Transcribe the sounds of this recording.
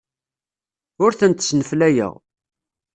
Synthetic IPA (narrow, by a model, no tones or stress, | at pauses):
ʊɾθənt̪snəflæjə̰ʁ